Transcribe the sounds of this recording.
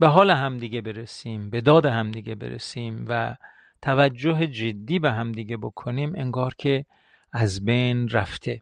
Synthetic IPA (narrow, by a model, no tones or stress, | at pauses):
b̥eɦɒːleɦæmd̪iːɡebe̞ɾesiːmbe̞d̪ɒːd̪ehæmd̪iːɡebḛɾḛsiːmvæ̰ | t̪ʰævæd͡ʒːoɦed͡ʒed̪ːiːbeɦæmd̪iːɡebokʰoniːmʔeŋɡɒːɾkʰe | æzbejnɾæft̪ʰe̞